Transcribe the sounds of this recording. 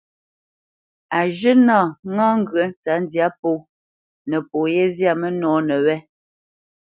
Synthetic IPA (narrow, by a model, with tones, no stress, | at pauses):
a˨ʒə˦naː˦˨ŋãː˦ŋ̩˦˨ɡɰə˨˦n˦t͡sa˨˦n˦dja˦po˦˨ | nə˨po˨jɛ˦zja˦˨mə˦nɔː˨˦nə˨wɛ˦